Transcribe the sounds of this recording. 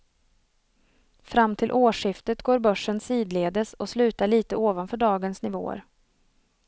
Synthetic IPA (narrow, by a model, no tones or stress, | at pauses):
fɾamːt̪ʰɪlʔoːʂɪft̪ət̪ɡoːɾbœʂːənsiːd̪leːd̪əsɔslʉ̟ːt̪aɭiːt̪əoːvanfœːɖɑːɡənsnɪvo̰ːə̰ɾ